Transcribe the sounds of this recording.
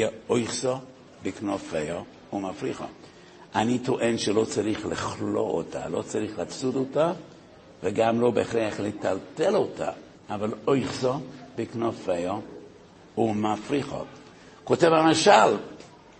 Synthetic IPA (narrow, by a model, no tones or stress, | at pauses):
ɛojχso | bɪknofejo | umafɾiχo̰ | anitʰoʔenʃɛlot͡saɾiχlɪχlo̰o̰tʰa̰lot͡saɾiχlaat͡sudota | vəɡamlobeeχɾeaχletaltelotʰa̰ | avalojχsobəknofejo | umafɾiχo̰ | kotevamaʃal